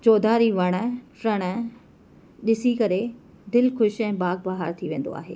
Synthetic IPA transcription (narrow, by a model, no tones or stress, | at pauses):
t͡ɕoːd̪ʱaːɾiʋɐɽ̃fɾɐɽ̃ə | ɗɪsikɐɾe | d̪ɪlxʊʃɛ̃ːbaːɡ̚baːɦəɾt̪ʰiʋẽːn̆d̪o̰a̰ːɦḛː